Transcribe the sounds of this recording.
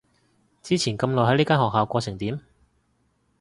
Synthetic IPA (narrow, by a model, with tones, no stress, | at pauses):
t͡siː˥t͡sʰiː˨˩nkɐ˧mlɔː˨jɦɐ˨˥jliː˥kaː˥nɦɔː˨k̚ɦaː˨˧wkʷɔː˧t͡sʰɪ˨˩ŋt̪iː˨˥m